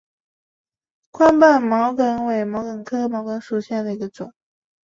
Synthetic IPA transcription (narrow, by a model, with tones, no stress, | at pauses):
kʰwa˥npa˥˩nmɑ˧˥ʊkə˧˥nwe˧˨˩ɪmɑ˧˥ʊkə˨˩nkʰɤ˥mɑ˧˥ʊkə˧˥nʂu˨˩ɕjɛ˥˩nd̪ə˩i˧˥ɡə˧ʈ͡ʂʊ̰˨˩˦ŋ